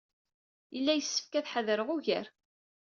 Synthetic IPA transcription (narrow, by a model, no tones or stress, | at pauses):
jəlːæjəsːə̥fkæθħəðəɾəʁʊʝə̰ɾ